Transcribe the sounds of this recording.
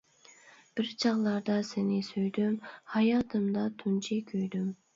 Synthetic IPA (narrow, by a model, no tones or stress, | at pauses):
b̥ɪɾt͡ʃʰɑʁlˠɑɾd̪ɑsɪnɪsøjd̪ymhɑjɑːt̪ʰɨmd̪ɑt̪ʰunt͡ʃʰikʲʰøjd̪ym